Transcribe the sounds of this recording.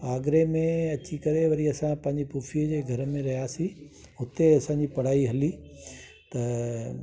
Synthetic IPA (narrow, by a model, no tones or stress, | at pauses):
aːɡɾemẽɐt͡ɕikɐɾeʋɐɾiɐsãpɐ̃ɦɪ̃ɲd͡ʑipuːfʰiəd͡ʑeːɡʱɐɾəmẽɾɐɦijasi | ɦʊt̪eɐsãɲd͡ʑipɐɽ̤aːiɦɐli | t̪ɐ